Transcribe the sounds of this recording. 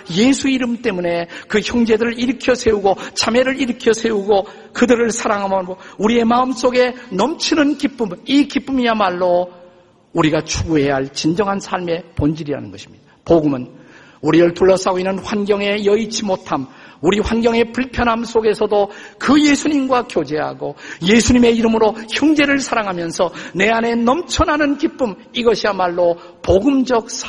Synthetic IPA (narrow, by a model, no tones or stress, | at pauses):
je̞sʰuiɾɯmt͈e̞mune̞kɯçjʌŋd͡ʑe̞dɯɾɯɭiɾɯkʰjʌsʰe̞uɡot͡ɕameɾɯɾiɾɯkʰjʌsʰe̞uɡo | kɯdɯɾɯɭsʰaɾaŋɦamʌouɾie̞maɯms͈oɡe̞nʌmt͡ɕʰinɯnkip͈ɯmikip͈ɯmiamaɭːo | uɾiɡat͡ɕʰuɡuɦe̞aɭt͡ɕind͡ʑʌŋɦansʰaɭme̞pond͡ʑiɾiɾa̰nɯnɡʌ̰ɕʰi̥mɲid̥apoɡumɯn | uɾiɾɯɭtuɭːʌs͈aɡoinːɯnɸwanɡjʌŋe̞jʌit͡ɕʰimotʰamuɾiɸwanɡjʌŋe̞puɭpʰjʌnɦamsʰoɡe̞sʰʌdokɯje̞sʰuɲimɡwakjod͡ʑe̞ɦa̰ɡoje̞sʰuɲime̞iɾɯmɯɾoçjʌŋd͡ʑe̞ɾɯɭsʰaɾaŋɦamjʌnsʰʌne̞ane̞nʌmt͡ɕʰʌnɦanɯnkip͈ɯm | iɡʌɕʰiamaɭːo | poɡɯmd͡ʑʌk̚sʰ